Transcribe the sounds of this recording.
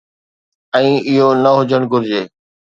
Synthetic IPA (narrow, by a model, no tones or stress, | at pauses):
ɛ̃ːɪɦonəɦʊd͡ʑəɽ̃ɡʊɾd͡ʑeː